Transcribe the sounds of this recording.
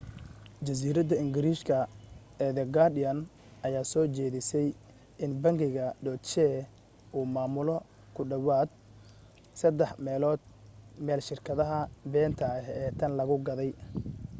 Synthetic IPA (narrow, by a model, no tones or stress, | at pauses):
d͡ʒɐs̬iːɾɐd̪ɐɪŋɡɪɾiːʃkʰɐ | ɛðɛɡadɪɐn | ʔɐjaːsɔːt͡ʃɛːðɪsɛj | ɪnbɐŋɡɪɣɐɖɔt͡ʃɛː | ʔuːmaːmʊlɔ | kʰʊɖɐwaːd̪̚ | sɐd̪ɛħmɛːlɔːd̪̚mɛːlʃɪrkʰɐðɐɦɐbɛːnt̪ʰɐɦɛːt̪ʰɐnlɐɣʊɡɐðɛj